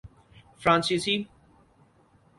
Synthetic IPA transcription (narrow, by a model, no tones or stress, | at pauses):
fɾãːnsisi